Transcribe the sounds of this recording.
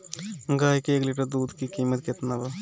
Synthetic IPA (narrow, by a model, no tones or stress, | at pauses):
ŋɡaːjkːeɡliʈːɐd̪uːd̪kikiːmːɐt̪ket̪ːɐnɐbɐ